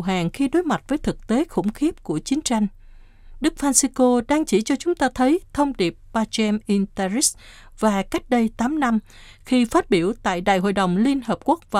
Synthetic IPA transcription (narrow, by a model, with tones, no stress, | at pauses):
ɦaː˨˩ŋxi˧ɗo˨˦jma˨˩t̚vəː˨˦jt̪ʰɨ˨˩k̚t̪e˨˦xʊ̰˧˥ŋ͡mxi˦˥əp̚ku˧˩ət͡ɕi˨˦ŋt͡ɕa˧jŋ̟ | ɗɨ˦˥k̚faː˧nsi˧ko˧ɗaː˧ŋt͡ɕi˧˩t͡ɕɔ˧t͡ɕʊ˨˦ŋ͡mt̪aː˧t̪ʰə˨˦jt̪ʰə˧wŋ͡mɗi˨˩əp̚ɓaː˧t͡ɕɛ˧mʔi˧nt̪a˧zi˦˥s | v̥aː˨˩ka˦˥jk̟̚ɗə˧jt̪aː˨˦mna˧mxi˧faː˦˥t̚ɓi˧˩əwt̪a̰ː˧˨jɗa̰ː˧˨jɦo̰˧˨jɗə˨˩wŋ͡mli˧ənɦəː˨˩p̚ku˦˥k̚vaː˨